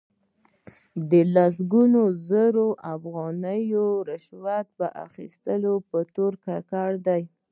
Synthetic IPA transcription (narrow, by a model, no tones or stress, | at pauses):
d̪əlas̬ɡunozəɾoʔafɣɑnəjoɾɪʃwat̪̚pəʔa̰xḭst̪əlopət̪oɾkakɑɽd̪aj